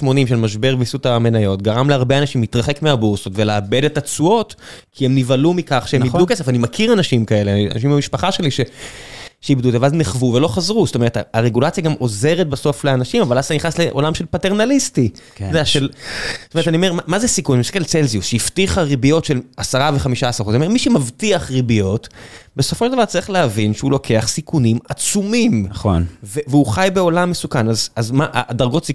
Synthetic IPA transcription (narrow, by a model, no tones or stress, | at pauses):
tmo̞nimʃe̞lmaʃbeʁvisutame̞najo̞tɡaʁamleaʁbeanaʃimlitʁaχe̞kmeabuʁsotve̞leabe̞detat͡suo̞tkʰiemnivalumikaχʃeemmidukesefanimakʰiʁanaʃimkae̞leania̰naʃ̬imamiʃpaχaʃe̞liʃe̞ | ʃeibdut̪avazneχvuvelo̞χazʁustome̞ʁetaaʁeɡulat͡sjaɡamʔo̞ze̞ʁet̚baso̞fleanaʃimavalazaniχnasle̞ʔo̞̰lamʃe̞lpate̞ʁnalisti | odeɛaʃelstomet̪aniome̞ʁmamazesikunmiskelt͡selziusʃeiftiχaʁibijo̞tʃelasaʁaveχamiʃasaʁozomemiʃemavtiaχʁibijo̞tbe̞sofoʃeldavaʁt͡saʁiχleavinʃeulo̞kʰe̞aχsikunimat͡sumimo̰nveveuχajbe̞o̞lamːesukanazazmaʔadaʁɡo̞tsi